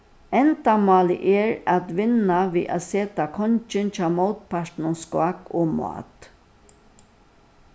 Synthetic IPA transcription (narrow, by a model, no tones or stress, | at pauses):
ɛnt̪amɑːlɪ̰ʔɛɹat̪ʋɪnaʋḭːʔa̰seːt̪akʰɔnt͡ʃɪnt͡ʃaːmowt̪pʰaʂtnʊnskwakoːm̰a̰ːt̪